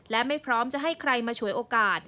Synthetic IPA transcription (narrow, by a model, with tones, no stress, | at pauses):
lɛ˦˥ma˥˩jpʰɾɔː˦˥mt͡ɕa˨˩ʔɦa˥˩jkʰɾa˧jmaː˧t͡ɕʰu˨˩˦əjʔoː˧kaː˨˩t̪̚